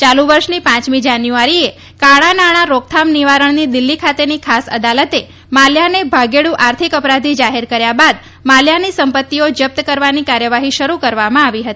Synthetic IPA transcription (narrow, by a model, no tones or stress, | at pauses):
t͡ʃaluʋəɾʃnipãt͡ʃmid͡ʒanjuaɾie | kaɭanaɽ̃aɾok̚t̪ʰamniʋaɾəɳnid̪ɪlːikʰat̪enikʰasə̰d̪alət̪e | maljanebʱaɡeɭũʔaɾt̪ʰikəpɾad̪ʱid͡ʒaɦeɾkəɾjabad̪ | maljanisəmpət̪ːiod͡ʒəp̚t̪əkəɾʋanikaɾjəʋaɦiʃəɾukəɾʋamãaʋiɦət̪ii